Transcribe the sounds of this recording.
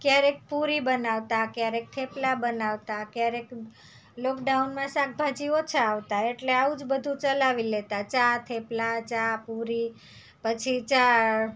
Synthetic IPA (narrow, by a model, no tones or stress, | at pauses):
kjaɾek̚puɾibənaʋt̪akjaɾek̚t̪ʰeplabənaʋt̪akjaɾek | lɔkɖaunmãsak̚bʱad͡ʒiʋot͡ʃʰeaʋt̪aeʈleaud͡ʒbəd̪ʱũt͡ʃəlaʋilet̪at͡ʃat̪ʰeplat͡ʃapuɾi | pət͡ʃʰit͡ʃa